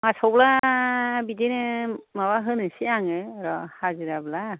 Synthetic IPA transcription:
masɔwbla | bidinɯmaβaɦɯnɯsiaŋɯɾɔhazɯɾabla

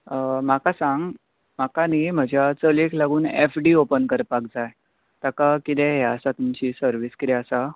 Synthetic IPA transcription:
əm̤akasãŋɡ | m̤akanim̤əd͡ʑʱjat͡səlekʰlaɡuːnefɖiopənkəɾpakd͡zaj | t̪akakit̪ɛɦɛəsat̪umt͡ɕiːsəɾʋiːskit̪ɛəsa

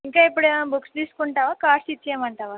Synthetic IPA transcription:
iŋkajpɽebuksd̪iskuɳʈaʋakaɾsit̪ːjemaɳt̪aʋa

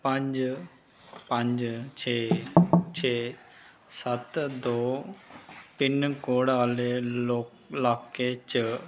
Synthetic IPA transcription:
pə̃ɲd͡ʒ | pə̃ɲd͡ʒt͡ʃʰeːt͡ʃʰeː | sət̪d̪oː | pɪnkoːɽaːleo | laːkːet͡ʃə

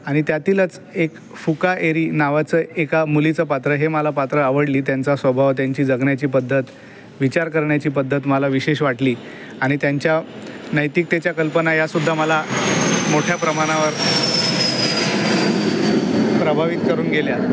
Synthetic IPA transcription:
aɽ̃it̪jat̪iːlət͡s | ek | fukaʔeɾiːnaʋat͡səːekamulit͡səpat̪ɾəɦeməlapat̪ɾəaʋəɽliːt̪jant͡sasʋəbʱaʋt̪jaɲt͡ɕiːd͡zəɡɳjat͡ɕiːpəd̪ʱːət̪ | ʋit͡ɕaɾkəɾɳjat͡ɕiːpəd̪ʱːət̪məlaʋiɕeɕʋaʈliː | aɽ̃it̪jaɲt͡ɕjanəjt̪ik̚t̪et͡ɕjakəlpənajasud̪ʱːaməlamoʈʰjapɾəmaɽ̃aʋəɾ | pɾəbʱaʋit̪̚kəɾuːnɡelja

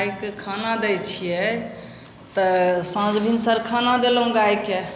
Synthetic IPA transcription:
jkekʰanad̪ɛjt͡ʃʰijɛ | t̪əsãd͡ʒbʱinsəɾkʰanad̪elɦũɡajke

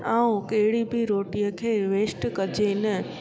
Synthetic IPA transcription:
aːũkɐɦɪɽibʱiɾoːʈijəkʰeːʋeːsʈkɐd͡ʑenə

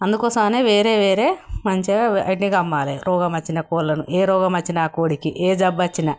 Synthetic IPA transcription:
ɐnd̪ukɔːsɐmɐneːʋeːɾeːʋeːɾeːmɐɲt͡ʃiɐ̰ʈniɡɐmːaːleɾʔɔːɡɐmɐt͡ʃːinɐkoːllɐnuʔeːɾɔːɡɐmɐt͡ʃːinɐaːkoːɽikiʔeːd͡ʒɐbːɐt͡ʃːinɐ

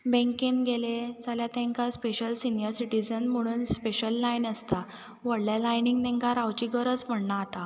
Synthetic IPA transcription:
bẽŋkinɡeled͡zaljat̪ɛ̃ŋkaspeɕəlsinijəɾsiʈid͡zənm̤əɽ̃uːnspeɕəlːajnəst̪a | ʋəɽljalajniŋɡt̪ɛ̃ŋkaɾawt͡ɕiɡəɾət͡spəɳɳat̪a

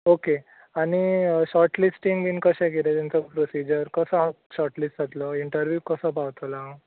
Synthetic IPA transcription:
oke | aniɕɔɾʈlisʈiŋɡʋiːnkəɕɛ̃keɾet̪ɛnt͡sɔpɾosid͡ʑəɾkəsəã | ɕɔɾʈlisʈd͡zat̪lɔiɳʈəɾʋjuːkəsəpawt̪ɔla

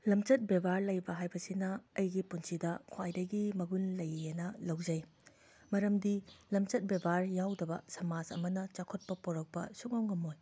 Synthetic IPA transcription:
lɐmt͡ʃɐt̚bebaɾlɐjbɐɦajbɐsinɐːjɡipunsidɐkʰwajdɐɡimɐɡunlɐjenɐlɐwd͡ʒɐj | mɐɾɐmdilɐmt͡ʃɐt̚bebaɾjawdɐbɐ̰sɐmazɐ̰mɐnɐt͡ʃakʰot̚pɐpoɾɐk̚pɐ̰suk̚nawŋɡɐmoj

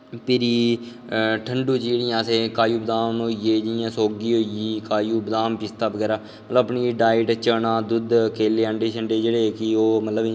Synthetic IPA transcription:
pɪɾiː | ʈʰəɳɖuːt͡ʃeːɽɪjãːsẽːkaːjuːbəd̪aːmoːieːd͡ʒɪjãːsoːɡiːɦoːiiːkaːjuːbəd̪aːmpɪst̪aːʋəɡɛːɾaː | mət̪ləbəpniːɖaːɪʈt͡ʃənãːd̪ʊd̪keːleːəɳɖeːt͡ʃʰəɳɖeːd͡ʒeːɽeːkɪoːmət̪ləb

